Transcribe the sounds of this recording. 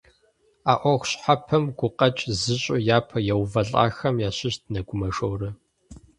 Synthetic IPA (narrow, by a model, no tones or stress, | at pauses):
aːʔʷɔʁʷɕħapʰɐmɡʷʊqʼɐt͡ʃʼzɨɕʼʊjaːpʰɐjɛwvɐɬʼa̰ːxɐmjaːɕɪɕdʰnɐɡʷʊmɐʂowrɐ